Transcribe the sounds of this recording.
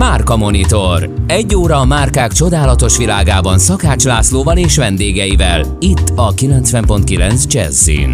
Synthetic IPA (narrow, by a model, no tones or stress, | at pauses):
maːrkɒmo̞nit̪o̞rɛɟːoːɾɒːmaːrkaːkt͡ʃo̞d̪aːlɒt̪o̞ʃʋilaːɡaːbɒnsɒkaːt͡ʃlaːsloːvɒleːʃʋɛnd̪eːɡɛjivɛl | it̪ːɒkilɛnt̪sʋɛmpo̞nt̪kilɛnsd͡ʒɛ̰zːḭn